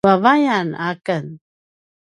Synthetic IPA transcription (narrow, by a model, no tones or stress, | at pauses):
avajanakən